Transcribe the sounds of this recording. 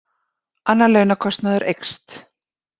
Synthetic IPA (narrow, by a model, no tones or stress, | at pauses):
anːalœɥnakʰɔst̪naðʏɾʔejkst̪